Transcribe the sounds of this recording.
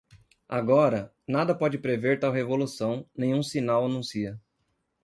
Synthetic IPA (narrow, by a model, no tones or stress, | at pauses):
a̰ɡɔɾɐ | nad̪ɐpɔd͡ʒɪpɾeveɾt̪awɦevolusɐ̃w̃nẽj̃ũsinawɐnũsiɐ